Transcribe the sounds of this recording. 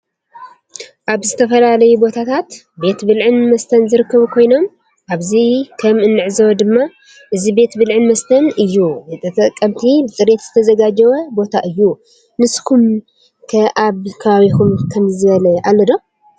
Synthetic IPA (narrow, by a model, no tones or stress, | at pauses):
ʔaβzɨt̪ʰɐfɐlalɐjubo̞t̪ʰat̪ʰat̪ | be̞t̪bɨlʕɨnmɐst̪ʰɐnzɨɾɨkːɐβukʰo̞jno̞m | ʔaβzikʰɐmɨnːɨʕzɐwɐd̪ɨmːa | ʔɨzibe̞t̪bɨlʕɨnmɐst̪ʰɐnɨjːuzɨt̪ʰʼɐt̪ʼɐkʼːɐmt̪ʰibɨt̪ʼɨɾe̞t̪z̥ɨt̪ʰɐzɐɡad͡ʒɐwɐbo̞t̪ʰaʔɨjːu | nɨskʰum | kʰɐʔaβkʰɐβaβikumkʰɐmzɨβɐlɐʔalːɐd̪o̞